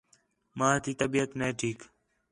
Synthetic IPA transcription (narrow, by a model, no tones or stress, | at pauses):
mãːt̪iːt̪əbiːət̪neːʈʰiːk